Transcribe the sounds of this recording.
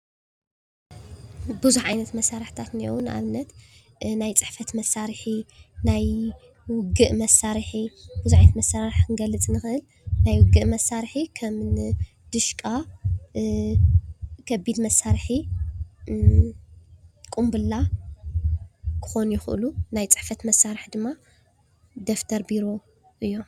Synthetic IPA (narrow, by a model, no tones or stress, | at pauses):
bɨzuħʕajnɐt̪mɐsːaɾɨħt̪ʰat̪nio̰wnʔa̰βnːɐt̪ | najt͡sʼɨħfɐt̪mɐsːaɾħinaj | wʊɡɨʔmɐsaɾħib̥ɨzuħʕajɐt̪mɐsaɾaɾħkɨnɡɐlːɨt͡sʼnɨxɨʔɨl | najwʊɡɨʔmɐsaɾħikʰɐmn | d̪̥ɨʃkʼa | kʰɐbid̪mɐsːaɾħi | kʼumbɨlːa | kʰɨ̥xo̞njɪxɨʔlunajt͡sʼɨħfɐt̪mɐsːaɾħd̪ɨmːa | d̪ɐft̪ʰɐɾbiɾo̞ | ʔɨjːo